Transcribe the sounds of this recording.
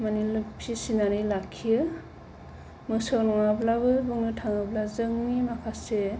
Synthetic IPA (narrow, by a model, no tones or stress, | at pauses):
manilɯpʰisinanɯjlakʰːijɯ | mɯsɯwnɔŋablabɯbɯŋnɯtʰaŋɯblazɯŋmimakʰase